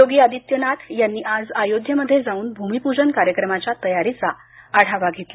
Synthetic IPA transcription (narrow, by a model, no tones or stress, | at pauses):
joɡiːəd̪ʱit̪jənat̪ʰjanːiːʔad͡zajod̪ʱjəməd̪ʱːjed͡zauːnbʱumipud͡ʑənkaɾjəkɾəmat͡ɕjat̪əjaɾit͡sa | aɽ̤aʋaɡʱet̪la